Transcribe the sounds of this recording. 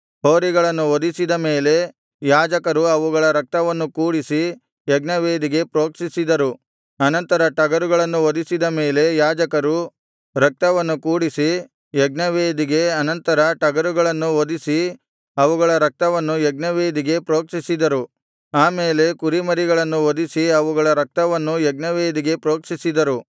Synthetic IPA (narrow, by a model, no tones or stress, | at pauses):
ɦo̞ːɾiɡɐɭɐnːuʋod̪isid̪ɐme̞ːle̞ | jaːd͡ʒɐkɐɾuɐʋuɡɐɭɐɾɐk̚t̪ɐʋɐnːukuːɽisi | jɛɡnɐʋeːd̪iɡe̞pɾo̞ːkʂisid̪ɐɾu | ɐnɐnt̪ɐɾɐʈɐɡɐɾuɡɐɭɐnːuʋod̪isid̪ɐme̞ːle̞jaːd͡ʒɐkɐɾu | ɾɐk̚t̪ɐʋɐnːukuːɽisi | jɛɡnɐʋeːd̪iɡe̞ɐnɐnt̪ɐɾɐʈɐɡɐɾuɡɐɭɐnːuʋod̪isi | ɐʋuɡɐɭɐɾɐk̚t̪ɐʋɐnːujɛɡnɐʋeːd̪iɡe̞pɾo̞ːkʂisid̪ɐɾu | aːme̞ːle̞kuɾimɐɾiɡɐɭɐnːuʋod̪isiɐʋuɡɐɭɐɾɐk̚t̪ɐʋɐnːujɛɡnɐʋeːd̪iɡe̞pɾo̞ːkʂisid̪ɐɾu